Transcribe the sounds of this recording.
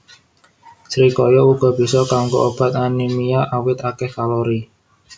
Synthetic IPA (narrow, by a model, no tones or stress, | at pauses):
sɾikɔjɔuɡ̥ɔ̤b̥i̤sɔkaŋko̰ʔob̥a̤t̪̚animijaʔawɪt̪akɛhkaloɾi